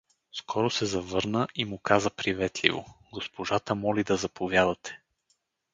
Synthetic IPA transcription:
skɔɾosɛzɐvɤɾnəʔimʊkazəpɾivɛt̪lʲḭvo̰ɡospoʒat̪əmɔlid̪ɐzɐpovʲjad̪ət̪ʰɛ̥

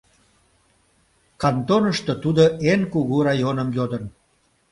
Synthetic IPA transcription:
kɑnt̪onəʃt̪ot̪ud̪oʔenkuɣurɑjonəmjod̪ən

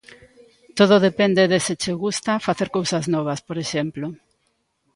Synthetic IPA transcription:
t̪oðoðepend̪eðesɪt͡ʃeɣust̪afaθeɾkowsaznɔβ̞ɐspoɾeʃɛmplo

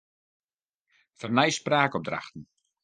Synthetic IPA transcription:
fərnɛjspraːkɔb̚dra̰xtn̩

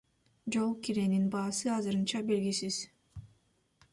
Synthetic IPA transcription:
d͡ʒo̞lˠkiɾe̞ninbɑːsɯɑzɯɾɯnt͡ʃɑbe̞lɡisiz̥

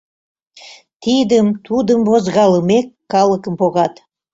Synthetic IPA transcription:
t̪id̪əmt̪ud̪əmbozɣɑləmekːɑlˠəkəmpoɣɑt̪

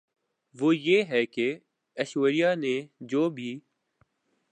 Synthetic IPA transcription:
ʋoːjeːɦɛːke | əʃueːɾijaːnẽd͡ʒoːbʱiː

